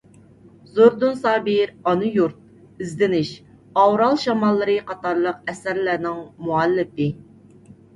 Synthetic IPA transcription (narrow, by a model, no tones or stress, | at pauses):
zoɾd̪unsɑːbiɾɑnujuɾt̪̚ | ɪzd̪ɪnɪʃ | ɑwɾɑlˠʃɑmɑlˠːɨɾɨqʰɑt̪ɑɾlˠəqɛsæɾlæɾnɪŋmuɛlːɪpɪ